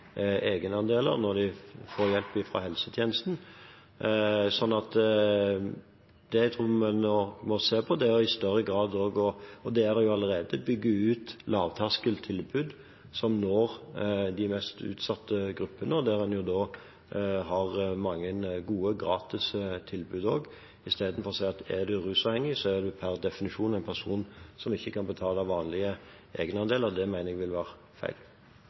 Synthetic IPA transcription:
eːɡənəɑnd̪eːlə̰ɾnɔɾd̪ɪfoːɾjɛlpɪfɾɑ̰ɦɛlsət̪ʰjeːnəst̪n̩ | sɔnːɑt̪ | d̪̥ɛjæɪt̪ʰɾuːmɛnɔmɔseːpʰɔd̪ɛɔɪst̪œɾəɡɾɑːd̪oːɡɔɔd̪ɛæd̪ɛjʊɑləʁeːd̪əbʏɡːəʉːt̪lɑːʋt̪ʰɑskəlt̪ʰɪlbʉd̪ | sɔmnɔʁd̪ɪmɛst̪ʉ̰ːt̪sɑt̪ːəɡɾʉpːənəɔd̪æɾɛnjʊd̪oː | ɦɑʁmɑŋːənɡuːəɡɾɑːt̪ɪst̪ʰɪlbʉːd̪oːɡ | ɪst̪eːd̪n̩fɔɾɔsæɪɑt̪æd̪ʉɾʉːsɑʋhɛŋːɪsɔæd̪ɛpʰæʁd̪ɛfɪnɪʂuːnæɪnpʰæʁʂuːnsɔmɪçːəkʰɑnbət̪ʰɑːləʋɑːnlɪə | eːɡənɑnd̪eːləʁd̪ɛmæɪnəɾɛɡʋɪlʋæːʁ | fæ̰ɪl

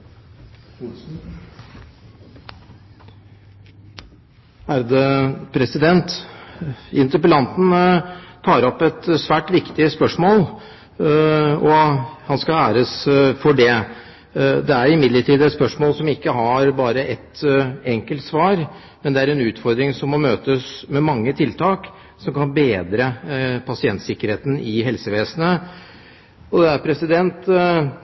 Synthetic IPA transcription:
æɾd̪ɛpʰɾɛsɪd̪ɛnt̪ | ɪnt̪əpəlɑnt̪n̩t̪ʰɑːɾɔpːɛt̪sʋæːʈʋɪkt̪ɪspœʂmoːl | ɔhɑnskɑæːɾəsfɔɖɛ | d̪ɛæɾɪmɪd̪ləʈʰiːd̪ɛt̪spœʂmoːlsɔmɪkːəɦɑɾbɑːɾəʔɛt̪ːɛŋkəlt̪sʋɑːɾ | mɛnd̪ɛæɾɛnʉːt̪fɔɾd̪ɾɪŋsɔmːɔmøːt̪əsmɛmɑŋːət̪ʰɪlt̪ʰɑːk | sɔmkɑnbeːd̪ɾəpʰɑsɪɛnt̪sɪkːəɾheːt̪n̩ɪɦɛlsəʋeːsənə | ɔd̪ɛæɾpʰɾɛsɪd̪ɛnt̪

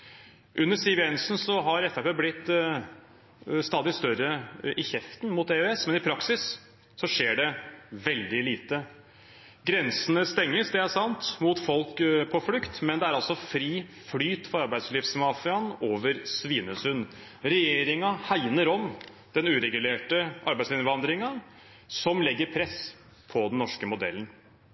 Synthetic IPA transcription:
ʔʉnːəsiʋɪɛnsnsɔɦɑɾɛfæpeːblɪt̪ː | st̪ɑːd̪ɪst̪œrəʔɪçɛft̪n̩mʊt̪eøɛsmɛnɪpʰɾɑksɪs | sɔʂeːɖɛʋɛld̪ɪliːt̪ə | ɡɾɛnsənəst̪ɛŋːəsd̪ɛæʂɑnt̪mʊt̪fɔlkpʰɔflʏkt̪mɛnd̪ɛæɾɑlsɔfɾiːflyːt̪fɔɾɑɾbæɪslɪfsmɑːfɪɑnoːʋəɾsʋiːnəsʉn | ɾɛjeːɾɪŋɑhæɪnəɾɔm | d̪̥ɛnʉːɾɛɡʉleːʈəʔɑɾbæɪsɪnʋɑnd̪ɾɪŋɑ | sɔmlɛɡːəɾpʰɾɛs | pʰɔd̪ɛnnːɔʂkəmʊd̪ɛ̰lən̩

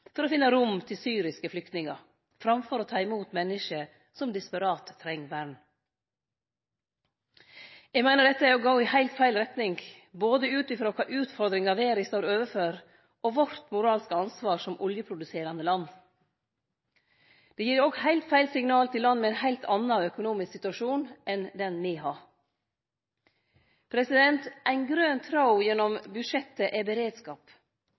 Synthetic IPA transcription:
fɔɾoːfɪnːəɾʊmt̪ʰɪlsyːɾɪskəflʏk̚t̪nɪŋɑɾ | fɾɑmfɔɾoːt̪ʰɑːɪmuːt̪mɛnːɪʂə | sɔmd̪ɪspɑɾɑːt̪ʰːɾɛŋʋæɾɳ | ɛɡmæɪnəɖɛt̪ːəæɾjɔɡoʊɪhæɪlt̪fæɪlɾɛt̪nɪŋ | boːd̪əʉːt̪ɪfɾoːkʰɑːʔʉːt̪fɔɾd̪ɾɪŋɑʋeːɾɪst̪oːɾøːʋəføːɾ | ʔɔʋɔɾt̪mʊɾɑːlskɑnsʋɑːɾʂɔmʔɔljəpʰɾʊd̪ʉseːɾɑnd̪əlɑnː | d̪̥ɛjiːɾɔɡhæɪlt̪fæɪlsɪŋnɑːlt̪ʰɪlːɑnːmɛæɪnhæɪlt̪ʰɑnːɑœkʊnuːmɪsksɪt̪ʉɑʂuːnʔɛnd̪ɛnmɪːɦɑːɾ | pʰɾɛsɪd̪ɛnt̪ʔæɪnɡɾønt̪ʰɾɑʊjɛnːɔmbʉʂɛt̪ːəʔɛbəɾeːd̪skɑːp

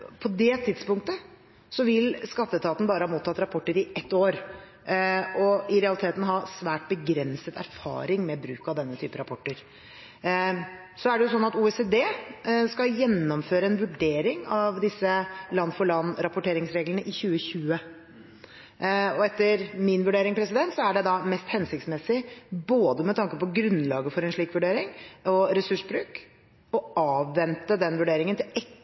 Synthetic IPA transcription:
pʰɔd̪ɛt̪ʰɪd̪spʊŋkt̪ə | sɔʋɪlskɑt̪ːət̪ʰɑːt̪n̩bɑːɾəhɑːmuːt̪ʰːɑt̪ːɾɑpʰɔʈːəɾɪʔɛt̪ːoːɾ | ɔɪɾɛɑlɪt̪ʰeːt̪n̩ɦɑsʋæːʈ̚bəɡɾɛnsət̪ʰæ̰ɾfɑ̰ːɾɪŋmɛbɾʉ̰ːkɑʋd̪ɛnːət̪ʰyːpəɾɑpʰɔʈːəɾ | sɔæɖɛjʊs̬ɔnːɑt̪uːɛsed̪eːskɑjɛnːɔmføːɾəɛnʋʉɖeːɾɪŋɑʋd̪ɪsːəlɑnːfɔɭɑnːɾɑpʊʈeːɾɪŋsɾeːɡlənəʔɪçʉːəçʉːə | ɔɛt̪ːəɾmɪnʋʉɖeːɾɪŋpʰɾɛsɪd̪ɛnt̪sɔæɖɛd̪ɑmɛst̪hɛnsɪk̚t̪smɛsɪboːd̪əmɛt̪ʰɑŋkəpɔɡɾʉnlɑːɡəfɔɾɛnʂɭiːkʋʉɖeːɾɪŋɔɾɛsʉʂbɾʉːk | ɔɑːʋːɛnt̪əd̪ɛnʋʉɖeːɾɪŋənt̪ʰɪlɛ

